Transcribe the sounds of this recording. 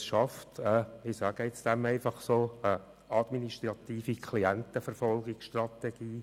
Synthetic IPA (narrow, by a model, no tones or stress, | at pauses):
sʃɑftɛɪsæɡəɪt͡sd̥æmɛɪfɑχsoːə | ɑd̥̪miniʃtrɑt̪iːfikʰliænt̪əfəɾfɔlˠɡɪksʃtrɑt̪ɛɡ̥iː